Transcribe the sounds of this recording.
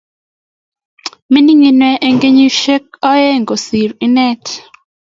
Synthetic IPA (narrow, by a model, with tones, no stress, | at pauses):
mɪ˦ni˦ŋi˨nwɛ˦ʔe˦ŋɡe˦ɲi˦ʃe˦k̚ɔ˦jɛ˦ŋɡo˨si˨ɾi˦nɛ˦t